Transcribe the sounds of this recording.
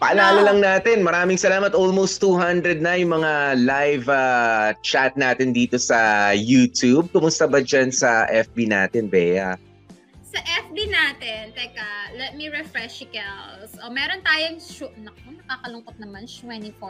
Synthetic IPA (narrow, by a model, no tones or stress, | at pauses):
pɐʔɐlaːlɐlɐŋnaːt̪ɪnmɐɾaːmɪŋsɐlaːmɐt̪ʔolmowst̪ːuːhand̪ɾɛd̪̚nɐjʊŋmɐŋalajvat͡ʃat̪̚naːt̪ɪnd̪iːt̪o̞sɐjut̪jub̚kʊmʊst̪ɐbɐd͡ʒansɐʔɛfbina̰ːt̪ɛnbɛːjɐ | sɐʔɛfbinaːt̪ɛnt̪ɛkɐlɛt̪̚miɹɛfɹɛʃɪkɛlsʔoːmɛːɾont̪aːjoŋʃʊʔnɐk̚onɐkaːkɐlʊŋkɐt̪̚nɐmant͡ʃwɛnifo